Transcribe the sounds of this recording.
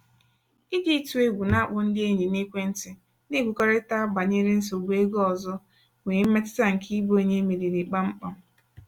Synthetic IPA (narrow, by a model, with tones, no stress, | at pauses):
i˦ɡi˦tu˨e˦ɡʷu˨na˦k͡pʊ˨n̩˦dɪ˦e˦ɲi˨ne˦kʷe˦n̩˦tɪ˨ | ne˦˨ɡʷu˨kɔ˦ɾe˦ta˦ba˨ɲe˦ɾɪ˦n̩˦s̬o˨ɡe˦ɡo˦ɔ˨zɔ˦ | ŋʷe˨˦me˦tɪ̥˦ta˦ŋ̩˨ki˦bo˦e˦ɲe˦me˨ɾi˨ɾi˨k͡pa˦ŋ͡m̩˦k͡pɔ˨